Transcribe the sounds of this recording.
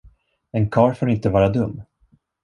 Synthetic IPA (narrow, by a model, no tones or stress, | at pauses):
ɛnkʰɑːɾfoːɾɪnt̪əvɑːɾad̪ɵmː